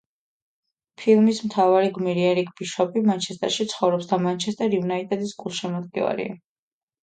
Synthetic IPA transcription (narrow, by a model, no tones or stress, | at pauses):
pʰilˠmismt̪ʰavaɾiɡmiɾiɛɾikʰʼbiʃɔpimant͡ʃʰɛst̪ʼɛ̰ɾʃit̪sʰχɔvɾɔpsd̪amant͡ʃʰɛst̪ʼɛɾjunait̪ʼɛd̪isɡulˠʃɛmɔd̪ɡʼɛ̰va̰ɾḭa̰